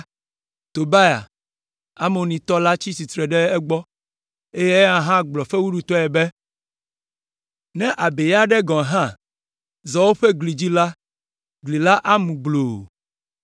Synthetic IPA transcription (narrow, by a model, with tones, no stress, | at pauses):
t̪o˨ba˦ja̰˨ | a̰˦mõ˨nĩ˨t̪ɔ˦la˦t͡ɕi˦si˨t̪ɾɛ˨ɖɛ˦ɛ˦ɡ͡bɔ˦ | e˦je˦ã˦ɦã˦ɡ͡blɔ˨fe˦wu˦ɖu˨t̪ɔ˦ɛ˨bɛ˦ | nɛ̃˦ʔa˨be˨ja˦ɖɛ˦ɡɔ̃˨ɦã˦ | zɔ˨wo˦ɸe˦ɡli˨d͡ʑi˦la˦ | ɡli˨la˦ʔa˦mũ˨ɡ͡blo˨